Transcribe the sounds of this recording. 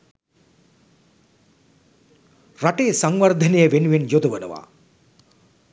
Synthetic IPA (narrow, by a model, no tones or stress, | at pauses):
raʈejəsaŋʋɐrd̪ʱɐnejəʋenuʋenjod̪ɐʋənə̰ʋa̰ː